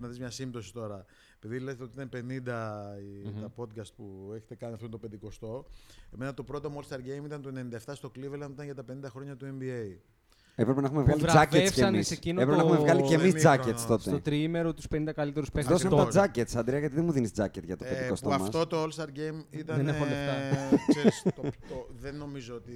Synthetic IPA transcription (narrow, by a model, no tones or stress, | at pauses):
nɐðizmɲɐsimt̪o̞si̥t̪o̞ɾɐ | epiðilezteoit̪ɐnpe̞nind̪ɐ | t̪ɐpo̞t̪̚kɐst̪̚pueçet̪ekɐniɐft̪ont̪opend̪iko̞st̪o̞eme̞nɐt̪o̞pɾo̞t̪omolst̪ɐɾɡejmit̪ɐnt̪oenenĩnd̪ɐeft̪ɐst̪o̞klivelɐmit̪ɐnʝɐt̪ɐpenind̪ɐxɾoɲɐt̪ue̞mbiei | e̞pɾepe̞nɐxumevɣɐlid͡zɐcecesɐnmiscinoepɾepenɐxumevɣɐlicemizd͡zɐet̪st̪o̞set̪ot̪ɾiimeɾot̪uspenind̪ɐkɐlit̪e̞ɾuspeðossɐmt̪ɐd͡zɐcet̪sɐnd̪ɾeɐʝɐt̪iðemuðinizd͡zɐcet̪ʝɐt̪o̞ped̪iko̞st̪oɐmɐst̪ot̪oolst̪ɐɾɡejmit̪ɐðeneoleft̪ɐsesot̪oðenːo̞mizoot̪i